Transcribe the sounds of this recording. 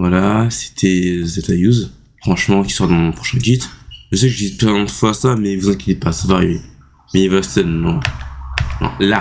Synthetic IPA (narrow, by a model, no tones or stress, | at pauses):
vwalase̥t̪ʰɛzɛt̪ajuz | fχɑ̃ʃmɑ̃kʲi̥səʁad̪ɑ̃mɔ̃pχɔ̥ʃɛ̃ɡʲit̪ʒəs̬ɛkʒəd̪izplɛ̃d̪fwaasamɛivuzɛ̃kʲet̪epasvaʁje | mɛivasɛnːɔ̃ | nɔ̰̃la